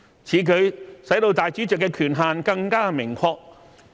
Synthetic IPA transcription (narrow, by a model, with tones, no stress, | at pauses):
t͡sʰiː˨˧kʰɵ˨˧ɥsɐ˨˥jt̪o˧wt̪aː˨jt͡ʃyː˨˥t͡sœ˨kːɛː˧kʰyː˨˩nɦaː˨nkɐ˧ŋkaː˥mɪ˨˩ŋkʰɔː˧k̚